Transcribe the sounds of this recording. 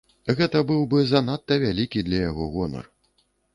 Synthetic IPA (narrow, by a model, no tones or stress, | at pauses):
ɣɛt̪ɐbɨwbɨzanat̪ːɐvʲalʲikʲid̪lʲɐjaɣɔɣɔnɐ̰r